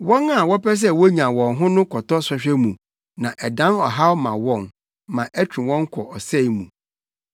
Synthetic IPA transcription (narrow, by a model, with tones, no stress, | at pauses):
wɔ̃˦na˨wɔ˦pɛ˦s̬ɛ˦wɔ˦ɲã˨wɔ̃˨nɦʊ̃˦nʊ̃˦kʰɔ˨tɔ˦sɛ˦ɕᶣɛ˦mũ˨ | nã˨ʔɛ˨dã˦nɔ˨ɦa˦wmã˨wɔ̃˦n | mã˨ʔæ˦t͡ɕʰᶣũ˨wɔ̃˦ŋ˦kʰɔ˨ʔɔ˨sɛ˦˨mṵ̃˨